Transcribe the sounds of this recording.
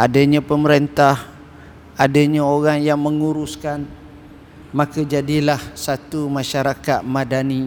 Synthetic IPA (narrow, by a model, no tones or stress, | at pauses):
ʔadaɲãpəməɾent̪ah | adaɲãoɾaŋjaŋmə̃ŋuɾuskan | mãkad͡ʒadilahsat̪umãʃaɾakat̪̚mãdani